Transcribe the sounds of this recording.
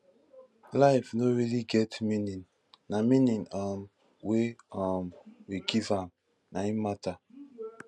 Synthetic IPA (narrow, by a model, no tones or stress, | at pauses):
laɪfnoɹiliɡɛtmĩnĩnː | amĩnĩnɔm | weɔmwiɡivam | naimata